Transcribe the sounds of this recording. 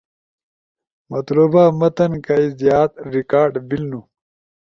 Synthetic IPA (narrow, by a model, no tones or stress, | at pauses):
mɐt̪lubaːmɐt̪ɐnkaizjaːt̪ɾikaːɾɖbilnu